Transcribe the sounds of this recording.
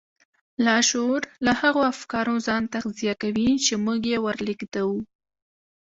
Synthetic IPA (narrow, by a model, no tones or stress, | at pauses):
lɑʃoɾlahaɣoafkɑɾozɑnt̪axzijakawit͡ʃemuɡjewəɾliɡd̪awu